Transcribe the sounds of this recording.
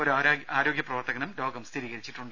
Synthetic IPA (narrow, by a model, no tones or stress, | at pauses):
oɾuaɾaaːɾo̞ːɡjɐprɐʋɐrt̪ɐɣɐnumlo̞ːɡɐmst̪ʰiɾiːɣɐɾit͡ɕːiʈːuɳɖɨ